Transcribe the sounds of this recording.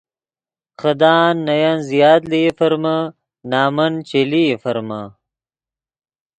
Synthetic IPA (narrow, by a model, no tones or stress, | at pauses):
qɐd̪aːnːɐjanzijaːt̪lifɐɾmɐ | naːmɐnt͡ʃelifɐɾmɐ